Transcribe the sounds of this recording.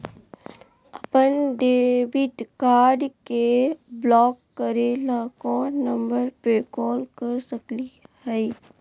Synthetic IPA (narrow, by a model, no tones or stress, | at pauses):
əpənɖebɪt̪kaːɾɖkeblɔːkːəɾelakonə̃mbəɾpekɔːlkəɾsəklihɛɪ